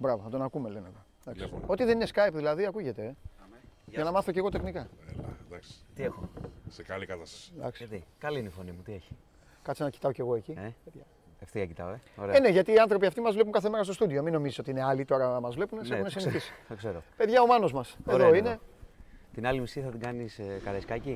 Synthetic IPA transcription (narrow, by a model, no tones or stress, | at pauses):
bɾɐvɐθɐt̪o̞nɐkume̞le̞neto | d̪ɐkso̞t̪iðe̞nine̞skajpðilɐðiɐkuʝe̞t̪e̞ | ɐnɐmɐθo̞ce̞ɣo̞t̪e̞xnikɐd̪ɐkst̪iexosekɐlikɐt̪ɐsɐ̥sd̪ɐ̰ksit̪ikɐliineifonimut̪ieçi̥ | kɐt̪sinɐci̥t̪ɐo̞ce̞ɣo̞e̞ciepe̞ðʝɐ | eft̪iɣɐcit̪ɐ̰oeoɾeene̞ʝɐt̪iːɐnθɾo̞piɐft̪imɐzvlep̬uŋkɐθe̞me̞ɾɐst̪ost̪uðiominːo̞miziso̞t̪iine̞ɐlit̪o̞ɾɐmɐzvle̞punesexunesiniçisi̥ðokseɾope̞ðʝɐo̞mɐno̞zmɐseoine̞ | t̪inɐlimisiθɐt̪iɡɐniskɐɾɐiskɐci